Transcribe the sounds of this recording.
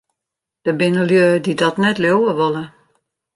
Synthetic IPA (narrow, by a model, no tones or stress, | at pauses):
d̥əbɪnəljødidɔtnɛtljowəʋolˠə